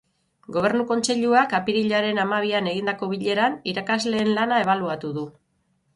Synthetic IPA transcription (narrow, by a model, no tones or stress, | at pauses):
ɡo̞β̞e̞ɾnuko̞nt͡se̞ʎuakapiɾiʎaɾe̞namaβiane̞ɣ̞ind̪ako̞β̞iʎe̞ɾaniɾakazle̞ːnlanae̞β̞aluat̪uðu